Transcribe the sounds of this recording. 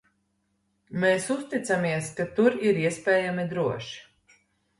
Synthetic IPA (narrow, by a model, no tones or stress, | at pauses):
meːsust̪it̪samiɛskat̪uɾiɾiɛspʲɛːjamid̪ɾuɔʃi̥